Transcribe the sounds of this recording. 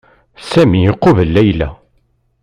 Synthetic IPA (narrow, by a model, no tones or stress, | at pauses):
sæmijəqːovəlːæjlæ̰